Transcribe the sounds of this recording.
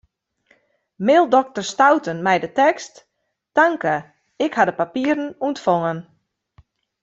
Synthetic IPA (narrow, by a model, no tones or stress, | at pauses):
mɪlˠdɔk̚tərstawtənmɛjdətɛkst | taŋkə | ɪkhadəpapiəɾən̩untfɔŋən